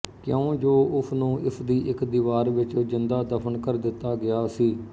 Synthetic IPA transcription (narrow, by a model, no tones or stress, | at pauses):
kjõːd͡ʒoːʔʊsʰnũːʔɪsd̪iːʔɪkd̪iːʋaːɾʋɪt͡ʃzɪnd̪aːd̪əpʰənkəɾd̪ɪt̪ːaːɡɪaːsiː